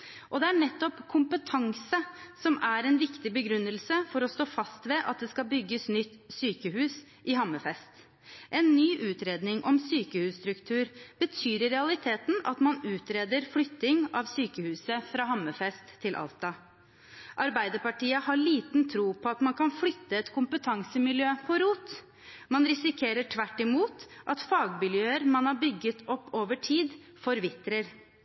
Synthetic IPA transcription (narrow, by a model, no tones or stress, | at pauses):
ʔɔd̪ɛæɳɛt̪ːɔpkʰʊmpət̪ʰɑŋsəsɔmæɾɛnʋɪkt̪ɪbəɡɾʉnːəlsəfɔɾɔst̪oːfɑst̪ʋɛʔɑt̪̚d̪ɛskɑlbʏɡːəsnʏt̪ː | syːkəhʉːs | ʔɪɦɑmːəfɛst̪ | ʔɛnːyːʔʉːt̪ɾeːd̪nɪŋʔɔmsyːkəhʉːsst̪ɾʉkt̪ʰʉːɾbət̪ʰyːɾəɾɛɑlɪt̪ʰeːt̪n̩ʔɑ̰t̪mɑnʉːt̪ɾeːd̪əɾflʏt̪ːɪŋɑʋsyːkəhʉːsəfɾɑːɦɑmːəfɛst̪ʰːɪlʔɑ̰lt̪ɑ | ʔɑɾbæɪd̪əɾpɑʈiːəhɑɭiːt̪nt̪ʰɾuːpʰɔɑt̪mɑnkʰɑnflʏt̪ːəɛt̪kʰʊmpət̪ʰɑŋsəmɪljøːpʰɔɾuːt̪ | mɑnɾɪsɪkʰeːɾəʈʰʋæʈːɪmuːt̪ʔɑt̪fɑːɡmɪljøːəɾmɑnhɑbʏɡːət̪ʰɔpːoːʋəʈʰiːd̪ | fɔɾʋɪt̪ɾəɾ